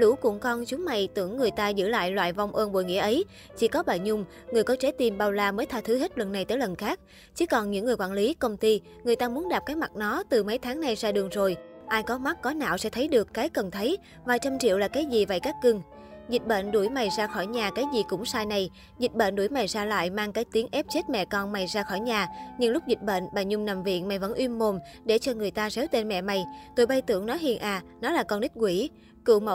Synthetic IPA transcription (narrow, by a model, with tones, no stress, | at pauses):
lṵ˧˥kʊ̰˧˩ŋkɔ˧nt͡ɕʊ˨˦ŋ͡mma̰˧˩jt̪ɨ̰˧˩əŋːɨ˨˩əjt̪aː˧zɨ̰˧˥la̰ː˧˨jlwa̰ː˧˨jva˧wŋ͡mʔəː˧nɓo̰˧˨jŋḭ˧˥əʔə˨˦j | t͡ɕi˧˩kɔ˨˦ɓaː˧˨˩ɲʊ˧ŋ͡m | ŋɨ˨˩əjkɔ˨˦t͡ɕe˨˦t̪i˨˩mɓaː˧wlaː˧məː˨˦jt̪ʰaː˧t̪ʰɨ˨˦he˦˥t̚lwə̰˧˨nːa˨˩jt̪əː˧˦jlə˨˩nxaː˦˥k̚ | t͡ɕɨ˨˦kɔ˨˩nɲɨ̰˧˥ŋːɨ˨˩əkwaː˧˨nli˨˦kə˧wŋ͡mt̪i˧ | ŋɨ˨˩əjt̪aː˧mu˨˦ənɗaː˨˩p̚kaː˨˦jma˨˩t̚nɔ˨˦t̪ɨ˨˩mə˨˦jt̪ʰaː˨˦ŋna˨˧jzaː˧ɗɨ˨˩əŋzo˨˩jʔaː˧jkɔ˨˦ma˦˥t̚kɔ˨˦na̰ː˧˨wsɛ̰˧˥t̪ʰə˨˦jɗɨ˨˩əkːaː˨˦jkə˨˩nt̪ʰə˨˦j | vaː˨˩jt͡ɕa˧wmt͡ɕḭ˧əwlaː˨˩kaː˨˦jzi˨˩va̰˧˨˩jkaː˦˥k̚kɨ˧ŋ | zï˨˩t̟̚ɓə̰˧˨nɗu˧˩əjma˨˩jzaː˧xɔ˧˩jɲaː˨˩kaː˨˦jzi˨˩kʊ̰˧˥ŋ͡msaː˧jna˨˧j | zï˨˩t̚ɓə̰˧˨nɗu˧˩jma˨˩jzaː˧la̰ː˧˨jmaː˧ŋkaː˨˦jt̪i˨˦əŋʔɛ˦˥p̚t͡ɕe˦˥t̚mɛ̰˧˨kɔ˧nma˨˩jzaː˧xɔ˧˩jɲaː˨˩ɲɨ˧ŋlʊ˦˥k͡p̚zi˨˩t̟̚ɓə̰˧˨nɓaː˨˩ɲʊ˧ŋ͡mna˨˩mvḭ˧˨ənma˨˩jvə̰˧˥˨nʔwi˧əmːo˨˩mɗe˧˩t͡ɕɔ˧ŋɨ˨˩əjt̪aː˧ze˨˦wt̪e˧nmɛ̰˧˨ma˨˩jt̪o˧˩jɓa˧jt̪ɨ̰˧˨əŋnɔ˨˦ɦḭ˧˨ənʔaː˨˩nɔ˨˦laː˨˩kɔ˧nɗï˦˥k̟̚kwi˧˩ | kɨ̰˧˨mə̰˧˨